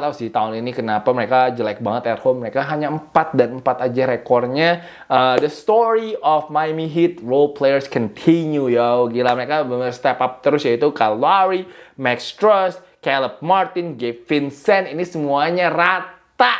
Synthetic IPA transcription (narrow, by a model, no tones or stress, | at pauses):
t̪asɪht̪aʊninikənapaməɾekad͡ʒəlajk̚baŋət̪ɛt̪̚homːəɾekaɦaɲaəmpat̪̚danəmpat̪ad͡ʒaɾekɔrɲa | ədəst̪ɔɾiɔfmajmiɦit̪̚rolplejərskɔnt̪ʰinjujaɡilaməɾekabəməst̪ɛpap̚t̪əɾʊsjait̪ukaloaɾimɛkst̪ɾɔs | kɛləp̚mart̪ɪnɡeffɪnsɛninisəmuaɲarat̪a